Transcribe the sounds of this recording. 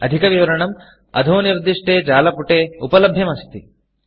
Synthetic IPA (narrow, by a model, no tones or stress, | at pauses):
ɐd̪ʱikɐʋiʋɐɾɐɳɐm | ɐ̰d̪ʱoːniɾd̪iʂʈeːd͡ʒaːlɐpuʈeːupɐlɐbʱjɐmɐst̪i